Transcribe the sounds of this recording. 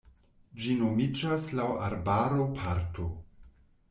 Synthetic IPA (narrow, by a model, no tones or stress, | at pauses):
d͡ʒinomid͡ʒaslawaɾbaɾopʰaɾtʰo